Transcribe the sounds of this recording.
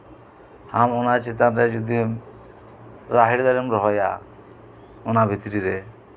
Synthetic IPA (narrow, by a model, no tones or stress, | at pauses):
hamonat͡ʃit̪̬anɾed͡ʒud̪i | ɾaɦiɽd̪ɔɾimɾɔɦɔja̰ | onabʱit̪ɾiɾe